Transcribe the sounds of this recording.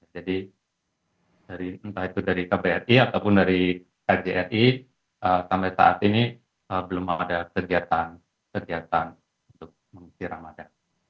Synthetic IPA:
jad͡ʒadi | d̥aɾiənt̪ahit̪udaɾikabeɛriat̪awpʊndaɾi | kad͡ʒeʔɛri | ʔəsampajsa̰ʔa̰t̪ini | əbəlumaadakəɡiat̪an | kəɡiat̪an | unt̪ʊk̚məŋsiɾamadaŋ

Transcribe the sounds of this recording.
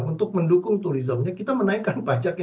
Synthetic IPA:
unt̪ʊk̚məndukʊŋt̪uɾizəmɲakit̪amənaikanpad͡ʒakj

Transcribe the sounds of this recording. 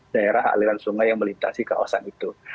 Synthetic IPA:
daeɾaɦa̰liɾansuŋajːaŋməlint̪asika̰wa̰sanit̪u

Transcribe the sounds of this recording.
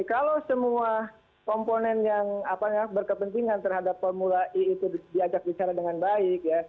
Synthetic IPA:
kalosəmua | kɔmponɛnjaŋapakahbərkəpənt̪iŋant̪ərɦadapfɔrmulaʔiːt̪udiad͡ʒak̚bit͡ʃaɾadəŋanbaɪk̚ja

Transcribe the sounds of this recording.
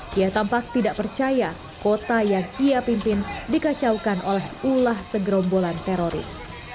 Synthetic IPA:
ijat̪ampak̚t̪idaʔpərt͡ʃaja | kot̪ajaŋiapimpɪndikat͡ʃawkanʔolɛhulahsəɡɾɔmbolant̪eɾoɾɪ̰s

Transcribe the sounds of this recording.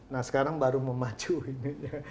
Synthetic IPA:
nahsə̥kaɾaŋbaɾuməmat͡ʃuinija

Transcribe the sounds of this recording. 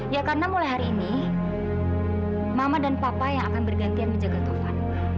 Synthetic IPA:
jakarənamulajɦaɾiːni | mamadanpapajaŋakanbərɡant̪ianməɲd͡ʒaɡat̪uhan

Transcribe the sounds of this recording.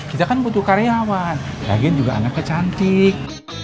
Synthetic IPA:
kit̪akanbut̪uhkaɾeawanla̰ɡiand͡ʒuɡaa̰nakːət͡ʃant̪ɪk̚

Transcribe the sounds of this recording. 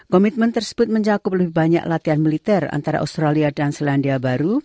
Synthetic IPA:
kɔmit̪̚mənt̪ərsə̥bʊt̪̚məɲt͡ʃakʊp̚ləbɪhbaɲa̰kʔlat̪ianmilit̪ɛra̰nt̪aɾa̰ʔṵst̪ɾaliadansilandiabaɾu

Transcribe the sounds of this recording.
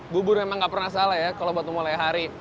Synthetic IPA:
bubʊrmemaŋɡaʔpərnasalajakalobat̪umolajɦaɾi

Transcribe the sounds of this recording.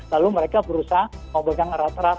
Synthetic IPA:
laluməɾekabəɾusaɦməbaɡaŋɾat̪ɾa

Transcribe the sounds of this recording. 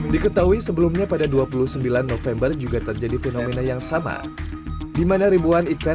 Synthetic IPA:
dikət̪aɦuisəbəlumɲapadaduapulusəmbilanːofɛmbərd͡ʒuɡat̪ərd͡ʒadifenomenajaŋsama̰ | dimanaɾibuanika

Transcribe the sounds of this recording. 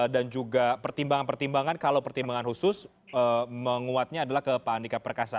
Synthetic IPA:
dand͡ʒuɡapərt̪imbaŋanpərt̪imbaŋankalawpərt̪imbaŋanhusʊs | əməŋuat̪̚ɲaːdalahkəpaːndikapərkasa

